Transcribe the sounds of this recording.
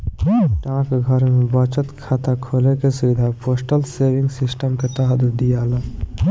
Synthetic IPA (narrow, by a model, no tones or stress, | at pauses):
ʈãːkɡʱəɾmẽbət͡ʃət̪kʰaːt̪akʰoːlekesiʋɪd̪ʱapoːsʈəlseːʋɪ̃ŋɡsɪsʈəmket̪əɦəd̪əd̪ijaːlaː